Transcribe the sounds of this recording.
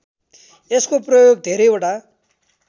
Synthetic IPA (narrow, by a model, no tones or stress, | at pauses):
eskoprʌjoɡ̚d̪ʱeɾʌjeʈa